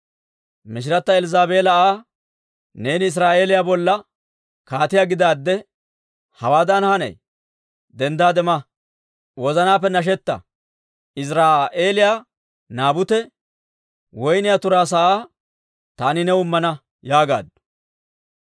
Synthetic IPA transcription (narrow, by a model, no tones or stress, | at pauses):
mɪʃ̬ɪɾɐt̪ːɐɛlzaːbe̞ːlɐaː | ne̞ːnɪs̬ɾaːʔe̞ːlɪjaːbɔlːɐ | kaːt̪ɪjaːɡɪd̪aːd̪ːɛ | hɐwaːd̪ɐnhɐnɐ̰j | d̪ɛnd̪aːd̪ɛmɐ | wɔzɐnaːp̬ːɛnɐʃ̬ɛt̪ːɐ̰ | ɪs̬ɾaːʔeːlɪjaː | naːbʊt̪ɛ | wɔjnɪjat̪ʊɾaːs̬ɐʔaː | t̪aːnɪnɛʊmːɐnɐ | jaːɡa̰ːd̪ʊ̥